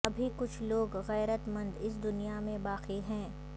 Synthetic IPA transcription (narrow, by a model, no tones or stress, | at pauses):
ɐbʱikʊt͡ʃʰloːɡɣɛːɾət̪mɐ̃nd̪ɪs̬d̪ʊnijamẽbaːqiɦɛ̃ː